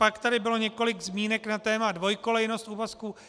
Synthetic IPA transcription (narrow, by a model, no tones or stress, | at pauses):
pakt̪adɪbɪlo̞ɲɛko̞lɪɡzmiːnɛknat̪ɛːmadvo̞jko̞lɛjno̞st̪uvaskuː